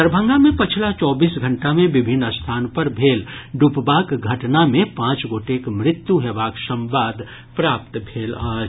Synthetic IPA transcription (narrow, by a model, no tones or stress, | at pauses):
əɾbʱə̃ŋɡamẽpɐt͡ʃʰlat͡ʃɔːbiːsɡʱɐ̃ɳʈamẽbɪbʱɪnːəst̪ʰaːnpəɾbʱeːlɖupbaːkɡʱɐʈnamẽpãːt͡ʃɡoːʈeːkmɾɪt̪juɦɛbaːkʃə̃mbaːd̪ | pɾaːp̚t̪bʱeːlaːd͡ʒ